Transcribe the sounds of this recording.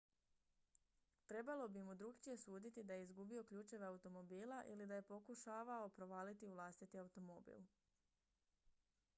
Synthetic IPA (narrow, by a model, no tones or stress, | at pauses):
t̪ɾe̞balo̞bimud̪ɾuɡt͡ʃije̞suːd̪it̪id̪ajeizɡubio̞kʎuːt͡ʃe̞ʋeaut̪o̞mo̞biːlaʔilid̪aje̞po̞kuʃaːʋao̞pɾo̞ʋaːlit̪iuʋlˠast̪it̪iaut̪o̞mobḭl